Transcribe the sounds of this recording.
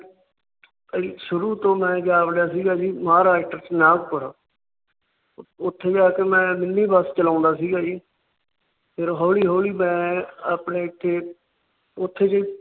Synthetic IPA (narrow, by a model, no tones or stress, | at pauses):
əiʃʊɾuːt̪õːmɛ̃ːd͡ʒaːʋəɽjaːsiːɡaːd͡ʒiːmãːɾaːɪʈəɾt͡ʃnãːkpəɾaː | ʊt̪ʰːeːd͡ʒaːkemɛ̃ːmɪnːiːbast͡ʃəlãːnd̪aːsiːɡaːd͡ʒiː | pʰɪɾɦoːliːɦoːliːmɛ̃ːaːpɳeːɪt̪ʰːeː | ʊt̪ʰːeːt͡ʃə